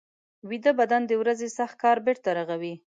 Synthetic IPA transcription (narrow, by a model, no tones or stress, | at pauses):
wid̪abad̪and̪əwɾazesaxt̪̚kɑɾbeɾt̪aɾaɣawi